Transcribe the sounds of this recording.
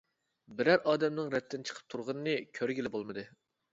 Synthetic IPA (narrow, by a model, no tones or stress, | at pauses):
bɪɾæɾʔɑːd̪ɛmnɨŋɾɛt̪ʰːɪnt͡ʃʰə̥qʰə̥p̚t̪ʰuɾʁɑnɨnɨkʲʰøɾɡʲilɪbolˠmɨd̪ɨ